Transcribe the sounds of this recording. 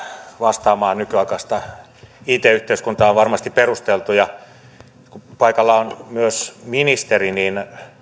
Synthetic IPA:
ʋɑst̪ɑːmɑːnykyɑikɑst̪ɑ | iːt̪eːyht̪eyskunt̪ɑoʋʋɑrmɑst̪ipperust̪elt̪ujɑ | kupɑikɑlːɑonmyøsminist̪eriniːn

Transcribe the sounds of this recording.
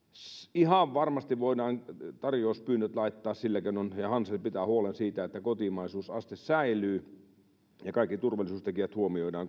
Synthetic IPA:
sihɑʋʋɑrmɑst̪iʋʋoidɑːnt̪ɑrjoːspyːnːøt̪lɑit̪ːɑːssilːækenonjɑhɑnsepit̪æːhuolensiːt̪æet̪ːækot̪imɑisuːsɑst̪issæilyː | jɑkɑˑikːit̪urʋɑlˑisuːst̪ekiʋæt̪huomioidɑːŋ

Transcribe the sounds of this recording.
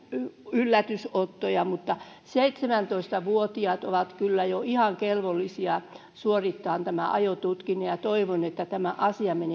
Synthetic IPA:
ylːæt̪ysot̪ːojɑmut̪ːɑ | seit̪semænt̪oist̪ɑʋuot̪iɑt̪oʋɑt̪kylːæjoihɑŋkelʋolːisiɑ | suorit̪ːɑːnt̪æmæ̰ʔɑjot̪ut̪kinejɑt̪oiʋonet̪ːæt̪æmæʔɑsiɑmene

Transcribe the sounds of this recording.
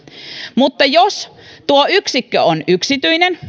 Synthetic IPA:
mut̪ːɑjost̪uoyksikːø̰onyksit̪yinen

